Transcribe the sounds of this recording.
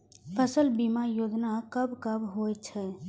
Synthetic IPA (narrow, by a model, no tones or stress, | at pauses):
pʰəsəlbimajod͡ʒnakəbkəbɦoj̚t͡ʃʰɛ